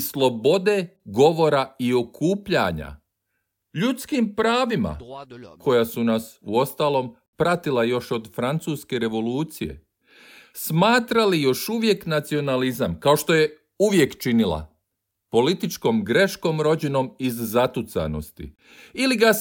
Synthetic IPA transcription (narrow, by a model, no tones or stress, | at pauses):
slˠo̞bo̞d̪e̞ɡo̞ʋo̞ɾaio̞kʰuːpʎa̰ɲa̰ | ʎut̪skimpɾaːʋima̰kʰo̞jasunasuo̞st̪aːlˠo̞ːm | pɾat̪ilajo̞ʃo̞d̪fɾant̪suːske̞ɾe̞ʋo̞luːt̪sije̞̰ | smaːt̪ɾalijo̞ʃuʋje̞knat̪sio̞nalizamkao̞ʃt̪o̞je̞ | uʋje̞kt͡ʃinilˠa̰ | po̞lit̪it͡ʃko̞ːmɡɾe̞ʃko̞mɾo̞d͡ʑeno̞mizːat̪ut̪sa̰no̞̰st̪ḭ | iliɡa